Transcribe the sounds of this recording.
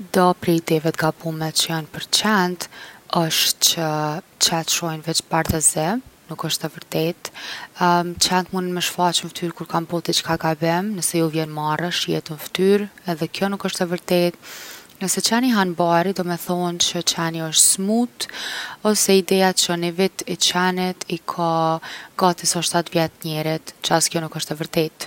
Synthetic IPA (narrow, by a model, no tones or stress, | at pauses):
d̪ɔpɾɛid̪ɛvɛt̪ɡabumɛt͡ʃəjanpəɾt͡ʃɛnt̪əʃt̪t͡ʃə | t͡ʃat̪ʃɔjnvɛt͡ʃbaɾðɛzɛnukəʃt̪ɛvəɾt̪ɛt̪ | t͡ʃɛnt̪munənmɛʃfat͡ʃənft̪yɾkuɾkambɔt̪ɛt͡ʃə̥kaɡabɛmnəsɛjuvjɛnmarəʃjɛ̰t̪ənft̪yɾɛðɛkjɔnukəʃt̪ɛvəɾt̪ɛt̪nəsɛt͡ʃaniɦanbaɾid̪ɔmɛθɔnt͡ʃət͡ʃaniəʃt̪smut̪ɔsɛid̪ɛat͡ʃənivit̪it͡ʃɛnɛt̪ikʰaɡat̪isɔʃt̪at̪vjɛt̪ɲɛɾit̪t͡ʃəaskjɔnukəʃt̪ɛvəɾt̪ɛt̪